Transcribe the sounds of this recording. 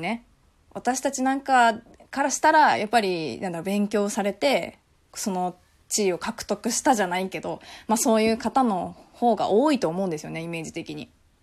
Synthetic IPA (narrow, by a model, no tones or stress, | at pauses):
ne̞ | βat̪aɕi̥t̪at͡ɕinãŋka | kaɾaɕi̥t̪aɾajapːaɾʲinãnd̪aɾobẽ̞ŋkʲo̞ːsaɾe̞t̪e̞ | kso̞no̞ | t͡ɕiːo̞kakɯ̟̥t̪o̞kɯ̟ɕi̥t̪aʑanaike̞d̪o̞maso̞ːjɯ̟ːkat̪ano̞ho̞ːɡa̰ʔoːit̪o̞ːmo̞ɯ̃nd̪esɨjone̞ime̞ːd͡ʑit̪e̞kʲiɲ̟ḭ